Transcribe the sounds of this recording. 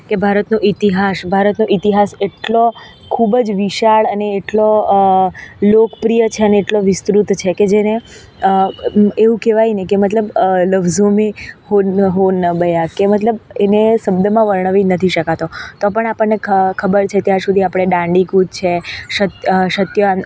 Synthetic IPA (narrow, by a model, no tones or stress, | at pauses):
kebʱaɾət̪nũʔit̪iɦasbʱaɾət̪nõʔit̪iɦaseʈlo | kʰubəd͡ʒʋiʃaɭəneːʈlo | lokpɾijət͡ʃʰeəneːʈloʋɪst̪ɾut̪t͡ʃʰeked͡ʒene | əeʋũkeʋajnekemət̪ləbləʋzomehoɦonəbəjakemət̪ləbenesəbd̪əmãʋəɾɳ̃əʋinət̪ʰiʃəkat̪ot̪ɔpəɳapəɳːeəkʰəbəɾt͡ʃʰet̪jaɾsud̪ʱiapɽ̃eɖãɳɖikud̪̚t͡ʃʰeʃət̪ʃət̪joa